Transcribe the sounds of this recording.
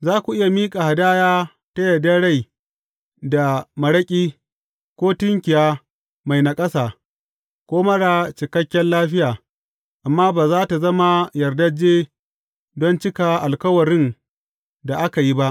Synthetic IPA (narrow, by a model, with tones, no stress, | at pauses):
zaː˦kʷu˨ʔɪ˦ja˨miː˦kʼa˨ha˨daː˦jaː˦ | ta˦jɐ˨dːa˦ɽa˦˨j | da˨mɐ˨ɽɐ˦kʲʼiː˦ | kʷoː˦tɪ˦ŋkʲɪ˨jaː˦ | ma˨jna˨kʼɐ˦saː˨ | kʷoː˦mɐ˦ɽa˨t͡ʃɪ˨kɐ˦kʲːɛ˦nlaː˦ɸɪ˦jaː˨ | ʔa˨mːaː˦baː˨zaː˦ta˨zɐ˦ma˦jɐ˨rdɐ˦d͡ʒeː˦ | dɔ˦nt͡ʃɪ˦ka˨ʔa˨lkɐ˦wɐ˨ɽɪ˦n | da˨ʔa˦ka˨ji˦ba˦ʔ